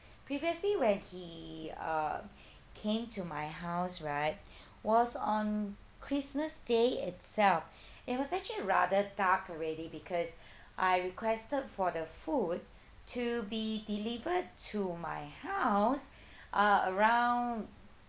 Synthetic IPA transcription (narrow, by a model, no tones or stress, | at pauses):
pʰɹiviəsliwɛ̃nhiʌ̰ | kʰẽmtʰumaɪɦaʊsɹaɪt̚ | wɔsɔ̃n | kʰɹisməsdeɪ̰tsɛlf | ɪt̚wɔsɛk̚t͡ʃəliɹa̰dədakɔɹɛdibikʰɔs | ʔaɪɹikʰwɛstəd̚fɔdəfud̚ | tʰːubidilivəd̚tʰuma̰ɪhaʊsʔʌəɹãʊ̃nd